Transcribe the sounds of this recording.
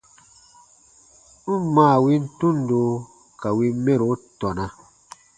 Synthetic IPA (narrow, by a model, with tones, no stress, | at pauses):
m̩˦mãː˦˨wi˦n̩˦tũ˦n˨do˨˦ | ka˨wi˦me˦ɾo˨˦tɔ˨nã˨